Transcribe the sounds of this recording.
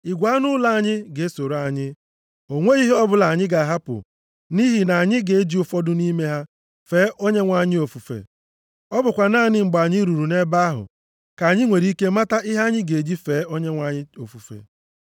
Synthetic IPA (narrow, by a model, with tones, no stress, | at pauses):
ɪ˨ɡʷa˨˦nʊ˦la˦˨a˨ɲɪ˦ɡe˨e˦so˨ɾa˨ɲɪ˦ | o˨ŋʷe˦i˦ɦi˦ɔ˦bʊ˨la˨ɲɪ˦ɡa˨ɦa˦pʊ̰˨ | ni˦ɦi˨na˨ɲɪ˦ɡe˨e˦d͡ʒi˦ʊ˦˨fɔ˦dʊ˦ni˦me˦ɦa˦ | fe˨˦ʔo˦ɲe˦ŋʷa˨ɲɪ˦o˨fu˨fḛ˨ | ɔ˦bʊ˨kʷa˨na˦˨nɪ˦ŋ͡m̩˨ɡ͡ba˨ɲɪ˦ɾu˨ɾu˨ne˦ba˦ɦʊ̰˨ | ka˨ɲɪ˦ŋʷe˨ɾi˦i˦ke˦ma˦ta˦ʔɪ˦ɦa˦ɲɪ˦ɡe˨d͡ʒi˦feː˨˦o˦ɲe˦ŋʷa˨ɲɪ˦o˨fu˨fḛ˨